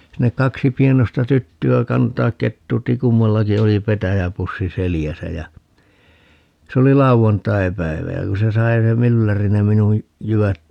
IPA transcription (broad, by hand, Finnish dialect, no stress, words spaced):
sinːek kɑksi pienostɑ tytːyæ kɑntɑːk ketːuːtːi kumːɑlːɑki oli petæjæpusːi selijæsæ jæ se oli lɑuʋɑntɑipæiʋæ jæ ku se sɑi se mylːæri ne minuj jyʋæt